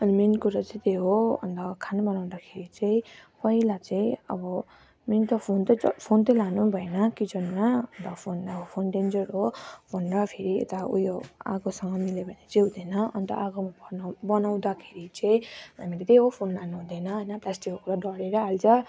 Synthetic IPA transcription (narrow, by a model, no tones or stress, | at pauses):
ʌnimenkuɾʌt͡sĩt̪eɦoʌ̰nt̪ʌkʰanabʌnaw̃d̪akʰeɾit͡saĩpʌilat͡saĩʌ̰bʌ | ment̪ʌpʰont̪ʌpʰont̪ʌlanubʱʌenʌkid͡zʌnmaʌnt̪ʌpʰonʌbʌpʰonɖend͡zʌɾɦobʰʱonrʌpʰeɾiḛt̪aṵjoa̰ɡosʌŋɡʌmilebʱʌnet͡seɦud̪ʌnʌʌnt̪ʌ̰ʔaɡomabʱʌnbʌnaw̃d̪akʰeɾit͡sʌĩamilet̪eɦopʰonlanuɦũd̪ʌnʌɦʌjnʌplasʈikːokuɾaɖʌɽeɾʌalt͡sʌ